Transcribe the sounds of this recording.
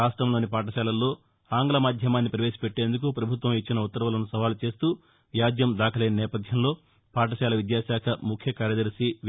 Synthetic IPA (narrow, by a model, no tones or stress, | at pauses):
aːsʈɾɐmlo̞ːnipaːʈɐʃɛːlɐlːo̞ː | aːŋɡlɐmaːd̪ʱjɐmaːnːipɾɐʋe̞ːʃi̥peʈːe̞ːnd̪uk̬upɾɐbʱut̪ʋɐmit͡ʃːinɐut̪ːɐɾɐʋɐlɐnusɐʋaːlut͡ʃe̞ːst̪uː | ʋjaːd͡ʒ̪jɐmd̪aːkʰɐleːnɐnɛːpɐd̪ʱjɐmlo̞ː | paːʈɐʃɛːlɐʋid̪jaːʃaːkʰɐmukʰjɐkaːɾjɐd̪ɐɾsi